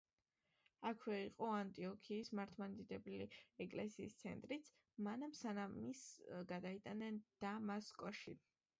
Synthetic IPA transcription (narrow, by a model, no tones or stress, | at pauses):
akʰwɛiqʼɔant̪ʼiɔkʰiːsmaɾt̪ʰmand̪id̪ɛbliɛkʼlɛsiːst̪sʰɛ̰nt̪ʼɾit̪sʰ | manamsanamisɡad̪ait̪ʼanɛnd̪̥amaskʼɔʃi